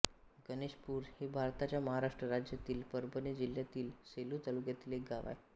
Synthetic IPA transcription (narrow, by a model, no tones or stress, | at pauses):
ɡəneɕpuːɾhebʱaɾt̪at͡ɕjaməɦaɾaʂʈɾəɾad͡ʑjat̪iːlpəɾbəned͡ʑiljat̪iːlseluːt̪alukjat̪iːlek̚ɡaʋa̰j